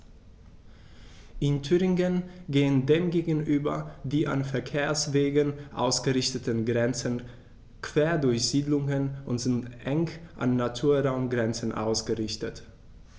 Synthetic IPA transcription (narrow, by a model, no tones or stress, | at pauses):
ʔɪntʰyːʁɪŋənɡeːəndeːmɡeːɡn̩ʔyːbɐdiːʔa̰nfɛɐkʰeːɐsv̥eːɡənʔa̰ʊsɡ̥əʁɪçtətənɡʁɛnt͡sən | kv̥eːɐdʊɐçz̥iːdlʊŋənʔʊntz̥ɪntʔɛŋʔa̰nːatʰuːɐʁaʊmɡʁɛnt͡sən̩ʔa̰ʊsɡ̥əʁɪçtət